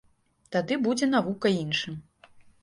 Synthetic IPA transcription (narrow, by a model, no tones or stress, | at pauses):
t̪ad̪ɨbud͡zʲɛnavukɐinʂɨm